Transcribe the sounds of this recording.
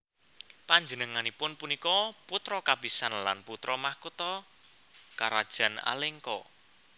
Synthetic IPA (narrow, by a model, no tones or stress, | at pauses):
paɲd͡ʒənəŋanipʊnpunikɔput̪ɾɔkab̥isanla̰nput̪ɾɔmahkut̪ɔ | kaɾad̥ʒ̥a̤na̰lɪŋkɔ